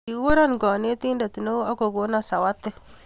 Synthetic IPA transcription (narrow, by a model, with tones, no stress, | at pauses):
i˨˦wo˦ɾɔ˦nɡɔ˨ne˦ti˦nda˨ti˨no˦a˦ko˨ɡo˦na˦˨sa˨wa˦tːe˦